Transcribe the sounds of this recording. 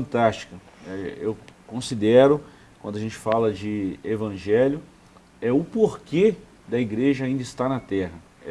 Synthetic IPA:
ɐ̃nt̪ast͡ʃi̥kɐ | ɛewkõsid̪ɛɾʊ | kwɐ̃nd̪ʊɐaʒẽnt͡ʃɪ̥falɐd͡ʒɪevɐ̃ʒɛljʊ | ɛʊpoɾke | d̪ɐiɡɾeʒɐaĩnd̪ɐɪst̪aɾnɐt̪ɛɦɐ

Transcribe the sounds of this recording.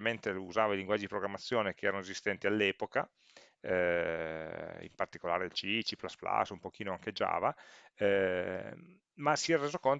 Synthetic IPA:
ment̪euzaːvailiŋɡwad͡ʒːid̪ipɾoɡɾamːat̪sːjoːnekeɛːɾanoezist̪ɛnt̪ialːɛːpoka | ɛ | ḭmpart̪i̥kolaːɾeelt͡ʃit͡ʃiplaspla̰sumpok̟iːnoaŋked͡ʒa̰ːvaɛ | masiɛɾreːzokon

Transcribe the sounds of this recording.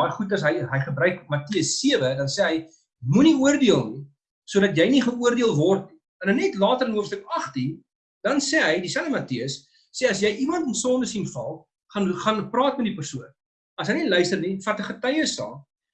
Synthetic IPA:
ɑjχutɐsɦəjɦəjχəbɾœɥkmɐtiəsːiəvədɐnsɛːɦəj | muniuərdiəlˠni | suədɐtjɛjniχəuərdiəlˠvɔrtni | ɛnənɛtlɑːtəɾənuəfstəkɐχtin | dɐnsɛːɦəjdisɛnəmɐtiəs | sɛɐsjɛjʔimɐntənsɔndəsinfɐlˠ | χɐnχɐnprɑːtmɛtdipərsuən | ɐsɦəjnɛlœɥstərnifɐrtəχətɐjəsɑ̰ːn

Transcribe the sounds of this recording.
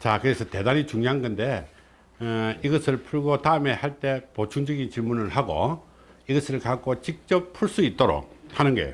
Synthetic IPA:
t͡ɕakɯɾe̞sʰʌte̞daɲit͡ɕuŋɲjoɦaŋɡɯnde̞ | iɡʌsʰɯɭpʰuɭɡotaɯme̞haɭt͈e̞pot͡ɕʰuŋd͡ʑʌɡint͡ɕiɭmunɯɭhaɡo̰ | iɡʌsʰɯɭkak͈ot͡ɕik̚t͡ɕ͈ʌppʰuɭs͈uit̚t͈oɾo̰k̚hanɯnɡḛ

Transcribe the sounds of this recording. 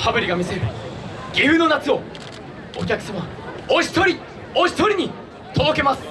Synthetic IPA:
habɯ̟ɾʲiɡamʲiseɾɯ̟ | ɡʲiɯ̟no̞nat͡sɨo̞ | o̰kʲakɯ̟̥sama | oɕi̥t̪o̞ɾʲi | oɕi̥t̪o̞ɾʲiɲ̟i | t̪ʰod̪o̞ke̞masɨ̥

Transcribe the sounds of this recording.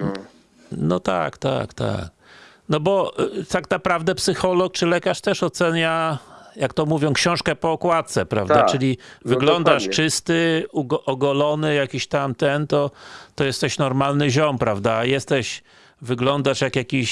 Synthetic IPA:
nɔ̰t̪a̰kt̪a̰kt̪a̰k̚ | nɔbɔt̪aknapɾavd̪ɛpsɘxɔlɔk̚t͡ʂɘlɛkaʂt̪ɛʂɔt̪sɛɲajakt̪ɔmuvʲjɔ̃w̃kɕɔ̃w̃ʂkɛpɔːkwat̪t̪sɛpɾa̰vd̪at͡ʂɘlʲivɨɡlɔnd̪aʂt͡ʂɘst̪ɘuʔɔɡɔlɔnɘjakʲiɕt̪amt̪ɛnt̪ɔt̪ɔjɛst̪ɛɕnɔɾmalnɘʑɔmpɾavd̪ajɛst̪ɛɕ | vɘɡlɔnd̪aʂjakjakʲiɕ

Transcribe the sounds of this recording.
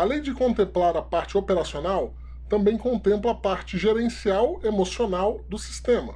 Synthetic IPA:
alẽj̃d͡ʒɪkõnt̪ẽmplaɾɐpaɾt͡ʃɪopeɾasionaw | t̪ɐ̃mbẽj̃kõnt̪ẽmplɐːpaɾt͡ʃɪʒeɾẽsiawemosionawd̪ʊsi̥st̪ẽmɐ

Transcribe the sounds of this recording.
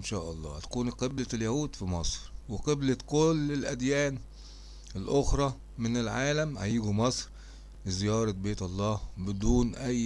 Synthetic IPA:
nʃæːʔɑlˤːɑ̰ːhæt̪æ̥kuːnqeblæljæhuːd̪fimɑsˤɾweqeblækolːelʔæd̪jæːn | ɪlʔoxɾˤɑ | mɪnelʕaːlæmhajiːɡumɑsˤɾ | lɪzɪjɑːɾˤɑbeːt̪ʔɑlˤːɑːbɪd̪uːnʔæjː

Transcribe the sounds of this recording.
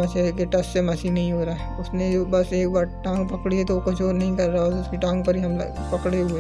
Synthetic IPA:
ɐt͡ʃekeʈɐssemɐsinɐɦĩɦoːɾaɦɛʊsned͡ʒoːbɐseːk̚baːɾʈãːŋɡpɐkɽiɦɛt̪oʋokʊt͡ʃʰɔːɾnɐɦĩkɐɾːaaat̪ʊskiʈãːŋɡ̚pɐɾɦiɦɐm̰ | pɐkɽeɦue

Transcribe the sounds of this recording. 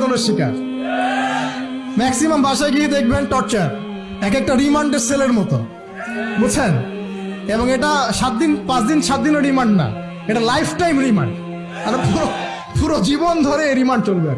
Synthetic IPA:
t̪oleɾʃika̰ɾ | mɛksimambʱaʃajɡied̪ek̚ʰbenʈɔɾt͡ɕaɾ | ɛkɛk̚ʈaɾimaɳɖeɾseleɾmɔt̪o̰ | bot͡ɕʰen | eboŋeʈaʃat̪̚d̪inpãt͡ɕd̪inʃat̪̚d̪inoɾimaɳɖna̰ | eʈalajpʰʈajmɾima̰ɳɖ | aɾpuɾo | puɾod͡ʑibond̪ʱoɾeɾimaɳɖ̚t͡ɕolbeaɾ

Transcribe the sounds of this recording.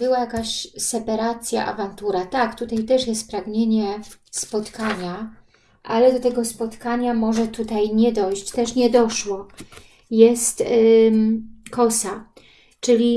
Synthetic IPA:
bɘwajakaɕsɛpaɾat̪sʲja̰ʔa̰vant̪uɾat̪akt̪ut̪ajt̪ɛʂjɛst̪̚pɾaɡɲeɲɛspɔt̪kaɲa | ʔalɛd̪ɔt̪ɛɡɔspɔt̪kaɲamɔʐɛt̪ut̪ajɲɛd̪ɔjɕt͡ɕt̪ɛʂɲɛd̪ɔʂwɔ | jɛst̪ | kɔsa | t͡ʂɘlʲi

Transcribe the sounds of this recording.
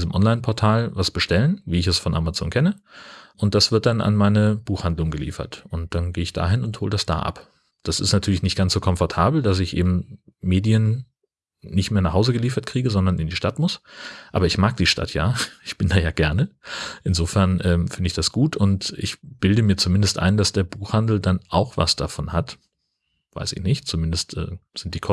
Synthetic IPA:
izəmʔɔnlaɪnpʰɔɐtʰaːlvasb̥əʃtɛlənviːɪçɛsfɔnʔamat͡so̰ːnkʰɛnəʔʊnt̚d̥asv̥ɪɐt̚d̥ana̰nmaɪnəb̥uːxhandlʊŋɡəlḭːfɐ̰tʔʊnt̚d̥anɡeːəɪçd̥a̰ːɦɪnʊnthoːlədasd̥a̰ːʔa̰p | d̥asɪ̰stnatʰyːɐlɪçnɪçt̚ɡ̥ant͡ssz̥oːkʰɔmfɔɐtʰaːbl̩d̥as̬ɪçʔḛːbm̩meːdiənː | ɪçtmeːɐnaχhaʊzəɡəliːfɐt̚kʁ̥iːɡəzɔndɐnɪndiːʃtatmʊsʔa̰ːbɐɪçmaːk̚d̥iːʃtʰa̰tʰja̰ːʔɪçb̥ɪndaːjaːɡɛɐnəʔɪnzoːfɛɐnʔɛːmfɪndəɪçd̥asɡ̥uːtʰʊntʔɪ̰çb̥ɪldəmiːɐt͡sumɪndəstʔa̰ɪndasd̥eːɐbuːxhandl̩danʔaʊxv̥a̰sd̥a̰fɔnhat | v̥a̰ɪsɪ̰çnɪçtt͡sumɪndəstʔɛ̰ːz̥ɪnt̚d̥iːkʰɔ

